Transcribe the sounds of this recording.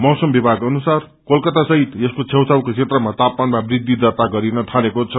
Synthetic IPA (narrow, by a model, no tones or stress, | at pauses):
mʌsʌmbibʱaɡʌnusar | kolkʌt̪asʌɦit̪eskot͡sʰewt͡sawkot͡sʰet̪rʌmat̪ap̚manmabrid̪ʱːid̪ʌt̪aɡʌɾinʌt̪ʰalekot͡sʰʌ